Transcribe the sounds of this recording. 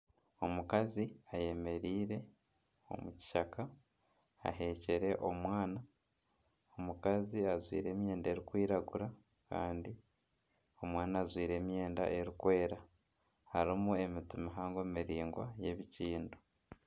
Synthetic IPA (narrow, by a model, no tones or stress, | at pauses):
o̞mukaziaje̞me̞ɾiːɾe̞ | o̞̰muci̥ʃaka̰ː | ɦe̞ːce̞ɾe̞ʔo̞mwaːna | omukaziazwḭːɾe̞ːmje̞ːndaeɾikwiːɾaɡuɾa | ka̰ːndi | o̞mwaːnaːzwiːɾe̞ːmje̞ːnda̰ʔeɾikwe̞ːɾa | haɾimue̞mitumiɦaːŋɡemiɾiːŋɡwa̰je̞βiciːndo